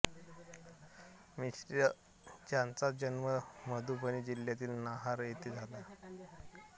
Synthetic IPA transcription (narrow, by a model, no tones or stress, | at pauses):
misɾjə | d͡ʑjãnt͡sad͡ʑənməməd̪ʱubəñiːd͡ʑilːjat̪iːlnaɦaɾjet̪iːd͡zʱala